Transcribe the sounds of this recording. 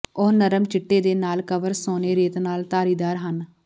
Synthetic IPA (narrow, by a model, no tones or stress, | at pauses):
oːnəɾəmt͡ʃɪʈːeːd̪eːnaːlkəʋəɾsoːneːɾeːt̪naːlt̪aːɾiːd̪aːɾɦən